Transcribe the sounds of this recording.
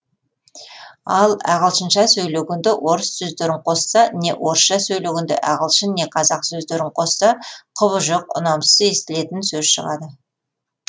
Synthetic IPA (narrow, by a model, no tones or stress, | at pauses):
ɑlˠɑ̰ʁəlˠʃənʃɑsɵjleɡʲɪnd̪ɪwʔo̞ɾəsːɵzd̪eɾɪɴqʰo̞sːɑne̞̰wʔo̞ɾəsʃɑsɵjleɡʲɪnd̪ɪ̰ʔɑʁəlˠʃəne̞qʰɑzɑqsɵzd̪eɾɪɴqʰo̞sːɑqʰʊβəʒoq̚ʊ̰nɑmsəze̞st̪ɪle̞t̪ɪnsɵzʃə̰ʁɑd̪ə